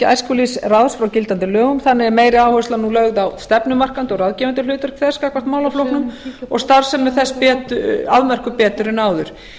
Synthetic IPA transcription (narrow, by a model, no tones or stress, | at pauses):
a̰jrskulisraðsfɾawcɪlt̪ant̪ɪlœːɣʏmθanːɪɣɛɾmeːjɾɪaːwhœslanːulœɣðawst̪ɛpnʏmar̥kant̪ɔɣɾaðcɛvant̪ʏlʏːt̪ʏɾ̥kʰfɛskaːkvḁt̪maːwlaflowhpnʏmɔ̰ɣst̪aɾ̥sɛmːɛðθɛspɛːt̪ʏaðmɛr̥kʏpɛːt̪ʏɾʏnaːwðʏɾ̥